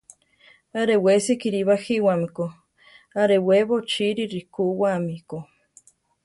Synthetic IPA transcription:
aɾewesikiɾiβaxiwamiko | aɾeweβot͡ʃiɾiɾikuwamiko

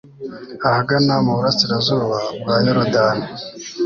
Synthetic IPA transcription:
ahaɡanamuβuɾasiɾazuːβabɡaːjoɾodani

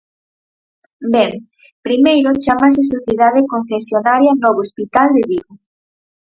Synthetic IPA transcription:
bɛm | pɾimejɾot͡ʃamas̬ɪsoθjeðaðɪkon̟θesjonaɾjɐnɔβoospit̪ald̪eβiɣo

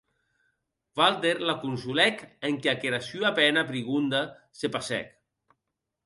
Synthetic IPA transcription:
valt̪eɾlakunsulɛkeŋkeakeɾasyapɛnapɾiɣund̪a | sepasɛ̰k

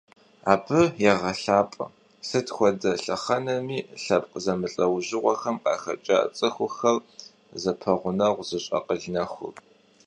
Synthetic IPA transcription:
aːbʰɨjaʁɐɬaːpʼɐ̰ | sɨtxʷɔdɐɬɐχɐnɐmiːɬɐpqzɐmɨɬʼɐwʑɪʁʷɔxɐmqɑːxɐ̰t͡ʃʼa̰t͡sʼɨxʷʊxɐr | zɐpʰɐʁʷʊnɐʁʷʊzɨɕʼɐ̰qəɮnɐxʷʊ̰r

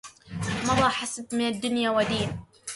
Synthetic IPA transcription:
mɑðˤɑːħasad̪mɪnad̪ːʊnjaːwad̪iːna

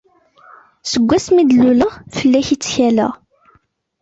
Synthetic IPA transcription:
səɡʷːæsmid̪lulæfəlːæçit͡sːçælæ̰

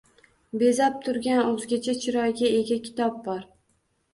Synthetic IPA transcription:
be̞zap̚t̪ʰʊɾɡʲanɵzɡʲat͡ʃʰat͡ʃʰɪɾɒjɡʲaeɡʲakʲʰɪ̥t̪ʰɒp̚bɒɾ

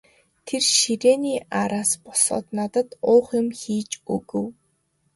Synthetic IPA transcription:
t̪ʰerʃiɾeːniːʔaɾaːspɔsɔ̰ːt̪nat̪ə̆t̪ʊːχjʊmxiːt͡ɕuɣɵ̆w

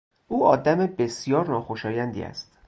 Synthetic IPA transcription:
ʔuːɒːd̪æmebe̞sjɒːɾnɒːxo̞ʃɒːjænd̪ḭæ̰st̪

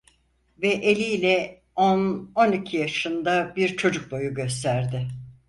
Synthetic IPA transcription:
vɛʔelʲijlʲɛ | ono̞nicʰijaʃɯnd̪abiɾt͡ʃʰo̞d͡ʒuk̚bo̞juɟø̞st̪ʰæɾd̪ɪ

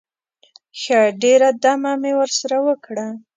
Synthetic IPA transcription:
xaɖeɾad̪amamewəɾsaɾawəkɽa

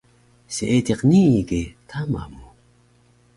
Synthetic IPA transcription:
seʔet̪iqniːɡet̪ʰama̰mu

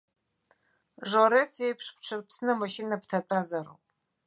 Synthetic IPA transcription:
ʐoɾesejpʂpʈ͡ʂʰɨpsɨnɐmɐʃɪnɐptʰɐt͡pʼazɐɾo̰

